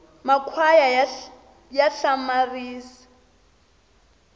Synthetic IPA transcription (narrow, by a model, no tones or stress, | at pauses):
makʰwaja | jaɬamariːsḁ